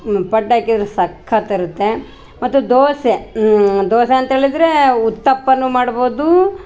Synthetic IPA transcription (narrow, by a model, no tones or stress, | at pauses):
pɐɖːaːkid̪ɾesɐkʰːɐt̪ɐɾut̪ːe̞ | mɐt̪ːud̪oːsed̪oːseɐnt̪ɐɦeːɭid̪ɾeut̪ːɐpːɐnːumaːɽboːd̪u